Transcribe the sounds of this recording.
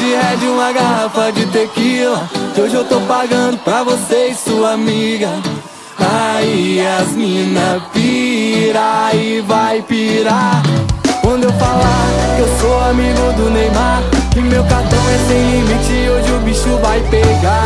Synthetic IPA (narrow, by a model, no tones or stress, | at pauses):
d͡ʒiɛd͡ʒɪũmɐɡaɦafɐd͡ʒɪt̪ekilɐoʒewt̪owpaɡɐ̃d̪ʊpɾɐvosejssuɐamiɡɐ | aiaĩnɐpiɾaɪvajpiɾa | kwɐ̃nd̪ʊewfalaewsoamiɡʊd̪ʊnejmaɾkɪmewkat̪ɐ̃w̃ɛsẽj̃limit͡ʃɪoʒɪʊbiʃʊvajpeɡa